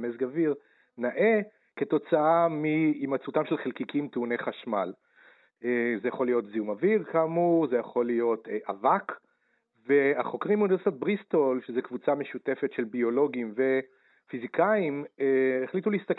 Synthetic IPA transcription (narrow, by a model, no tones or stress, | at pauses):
mezɡaviʁ | naʔe̞ | ke̞to̞t͡saamiːmat͡sutamʃelχelkikimteuneχaʃmal | ezejaχo̞lijo̞t̪ziumaviʁkaːmuʁze̞jaχo̞lijo̞tʔavak | veaχo̞kʁimunivesit̪at̪̚bʁist̪olʃezekvut͡same̞ʃute̞fe̞tʃelbio̞lo̞ɡimve̞ | fizikʰaimeeχlituliist̪ak